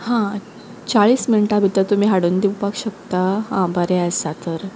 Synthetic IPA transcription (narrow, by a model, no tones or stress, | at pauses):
hã | t͡ɕaɭiːsminiʈabʱit̪ət̪um̤iːɦaɽuːnd̪iwpakɕəkt̪aɦãbaɾeasat̪əɾ